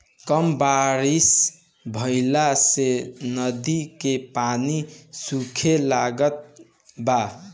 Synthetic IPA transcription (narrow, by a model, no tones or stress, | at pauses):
kəmbaɾis | bʱəɪlasenəd̪ikepanisukʰelaɡət̪̚ | ba